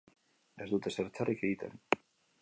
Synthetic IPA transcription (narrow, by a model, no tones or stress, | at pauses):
ezd̪ut̪eseɾt͡sarikeit̪ḛn